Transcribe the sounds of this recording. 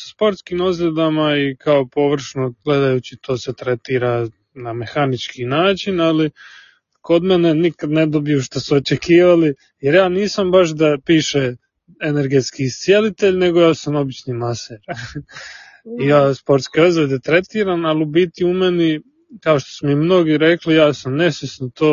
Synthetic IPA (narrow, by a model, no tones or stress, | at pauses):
spo̞ɾt̪skimozled̪amaikaopo̞ʋr̩ʃnoɡ̥le̞d̪ajuːt͡ɕit̪ʰo̞ːset̪ɾet̪iːɾa | name̞xanit͡ʃkinaːt͡ʃinali | ko̞d̪menenikad̪ned̪obijuʃt̪asuot͡ʃekʰiːʋali | jeɾjaːniːsambaʃ̬d̪apiːʃe | ene̞ɾɡet̪skiːst̪sijelit̪e̞ʎne̞ɡo̞jaːsamo̞bit͡ʃnimaseɾ | ijaːspo̞ɾt̪skiozad̪et̪ɾe̞t̪iːɾanalubit̪iumeni | kaoʃt̪o̥smimno̞ɡiɾe̞klijaːsamne̞sʋesnot̪oː